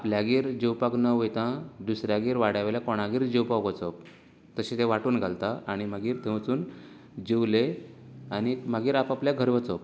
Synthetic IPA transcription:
apljaɡiːɾd͡ʑewpaknəʋet̪ãd̪usɾjaɡiːɾʋaɽjaʋeljakoɽ̃aɡiːɾd͡ʑewpakət͡səp̚ | t̪əɕĩt̪eʋaʈuːnɡʱalt̪aaɽ̃im̤aɡiːɾt̪ʰẽʋt͡suːn | d͡ʑiwleañiməɡiːɾapapljaɡʱəɾʋət͡səp̚

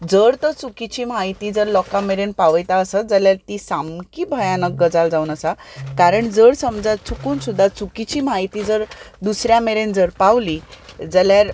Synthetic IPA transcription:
d͡zəɾt̪ət͡sukit͡ɕiːm̤aɦit̪iːd͡zəɾlɔkameɾenpaʋəjt̪aəsad͡zəljaɾt̪isamkibʱəjanək̚ɡəd͡zald͡zaunəsakaɾəɳd͡zəɽsəmd͡zat͡sʰukuːnsud̪ʱːat͡sukit͡ɕiːmaɦit̪id͡zəɾd̪usɾjameɾend͡zəɾpaʋlid͡zəljaɾ

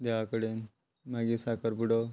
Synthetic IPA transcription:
d̪eʋakəɽen | maɡiːsakəɾpuɽo

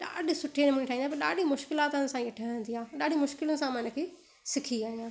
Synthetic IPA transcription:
ɗa̰ːɖɪ̆sʊʈʰenemʊ̃nĩʈʰaːĩnd̪apɐɾɗaːɗimʊʃkɪlaːt̪ːnɪsãɐʈʰəʋẽːnd̪iaːɗaːɖʱĩmʊʃkɪlənɪ̆sãmɐnəkʰeː | sɪkʰiaːɦijãː

